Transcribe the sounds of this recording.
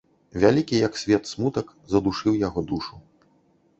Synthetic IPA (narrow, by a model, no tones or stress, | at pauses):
vʲalʲikʲijɐksʲvʲɛt̪smut̪ɐk | zɐd̪uʂɨwjaɣɔd̪uʂu